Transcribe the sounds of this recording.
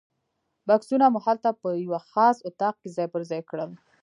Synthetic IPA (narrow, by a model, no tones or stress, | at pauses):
baksunamuhalt̪apəjawaxɑsʊt̪ɑq̚kezɑjpəɾzɑjkɽəl